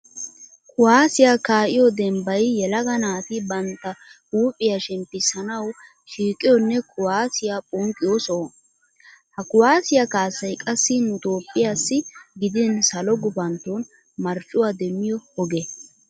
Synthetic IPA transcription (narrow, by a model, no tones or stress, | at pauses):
kʰʊwaːsɪjaːkaːʔɪjɔd̪ɛmbɐjjɛlɐɡɐnaːt̪ɪbɐnt̪ːɐ | uːpʼːɪjaʃɛmpːɪsːɐnɐw | ʃiːkʼːɪjɔnːɛkʰʊwaːsɪjapʼɔŋkʼːɪjosɔ | hɐkʊwaːsɪjakaːsːɐjkʼɐsːɪnʊt̪ʼoːpʼːɪjaːsːɪɡɪd̪ɪnsɐlɔɡʊbɐnt̪ːon | mɐɾt͡ʃʼːʊwaːd̪ɛmːɪjɔhɔɡɛ